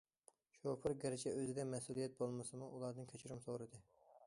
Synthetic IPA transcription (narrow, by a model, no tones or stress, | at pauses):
ʃopɨɾɡʲɛɾɪt͡ʃʰɛøzɪɡʲɛmɛsulˠijɛt̪̚bolˠmɨsɨmuʔulˠɑɾd̪ɨnkʲʰøt͡ʃʰiɾumsoɾɨd̪ɨ